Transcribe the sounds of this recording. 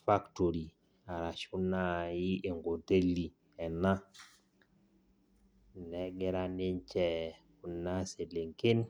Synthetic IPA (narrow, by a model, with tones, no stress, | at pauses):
fa˦kto˨ɾi˨ | a˨ɾa˨ʃu˦na˦ji˦ʔe˨ŋɡo˨te˦li˨ | ɛ˨na˦ | nɛ˨˦ɡɪ˦ɾa˦nɪ˦nt͡ʃɛ˦˨ | ʊ˨na˦se˨lɪ˨ŋkɪ˦n